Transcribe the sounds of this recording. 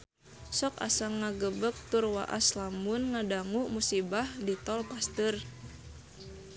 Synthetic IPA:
sɔka̰saŋaɡəbək̚t̪urwa̰ʔa̰slamʊnŋadaŋuʔmusibahdit̪ɔlpast̪ɨr

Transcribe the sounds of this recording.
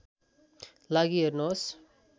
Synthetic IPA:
laɡiɦernos

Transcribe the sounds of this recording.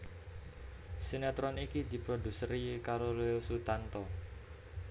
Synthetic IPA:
senat̪ɾɔnikid̪i̤pɾod̪usəɾikaɾoleusut̪ant̪ɔ

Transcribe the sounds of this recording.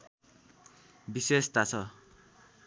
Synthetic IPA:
bisest̪at͡sʰʌ

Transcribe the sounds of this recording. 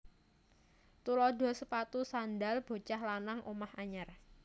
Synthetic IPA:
t̪ulɔd̪ɔ̤səpat̪usand̪alb̥o̤t͡ʃahlanaŋʔomahaɲar

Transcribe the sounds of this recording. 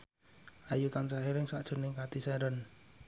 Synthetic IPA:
ʔajut̪ansaɦeɾɪŋsaʔd̥ʒ̥o̤nɪŋkat̪isɛɾən

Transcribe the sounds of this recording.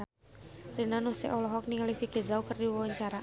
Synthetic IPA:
rinanusɛ̰ʔɔlɔɦɔk̚niŋalibiɡezaukərdiwɔwaɲt͡ʃaɾa

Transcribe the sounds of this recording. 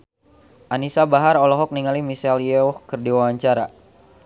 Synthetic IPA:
ʔanisabaɦaɾɔlɔɦɔk̚niŋalimisɛljɛukərdiwawaɲt͡ʃaɾa

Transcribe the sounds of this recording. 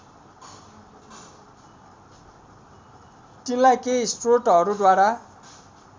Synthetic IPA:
t̪inlajkejsʈroʈɦʌɾud̪waɾa

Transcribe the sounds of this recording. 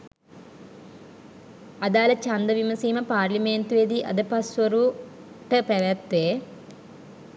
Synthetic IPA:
ɐd̪aːlɐt͡ʃɐnd̪ɐʋimɐsiːmɐpaːɾlimeːnt̪ʋeːd̪iʔɐ̰d̪ɐpɐsʋɐɾu | ʈɐpɐʋɐt̪ʋeː

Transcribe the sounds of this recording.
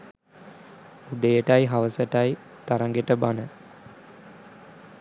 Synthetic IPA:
ud̪əjəʈajɦaʋəsəʈaj | t̪aɾaŋɡeʈəbanə

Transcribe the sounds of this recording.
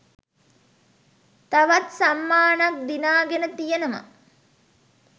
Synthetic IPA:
t̪aʋat̪samːaːnak̚d̪inaːɡenət̪ijənəmə̰

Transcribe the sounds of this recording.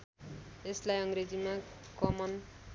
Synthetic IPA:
eslajʌŋred͡zimakʌmʌn

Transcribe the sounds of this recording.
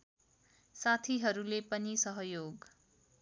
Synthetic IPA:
sat̪ʰiɦʌɾulepʌnisʌɦʌjoɡ

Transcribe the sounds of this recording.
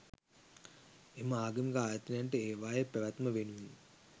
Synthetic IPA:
eməaːɡəmiɡaːjət̪inaɳʈəeːʋaːjəpæʋæt̪məʋenuʋin

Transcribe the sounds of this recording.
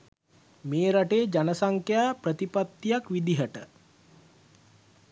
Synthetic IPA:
meːɾaʈeːd͡ʒanəsaŋkjaːprət̪ipat̪ːijakʋid̪iɦəʈə

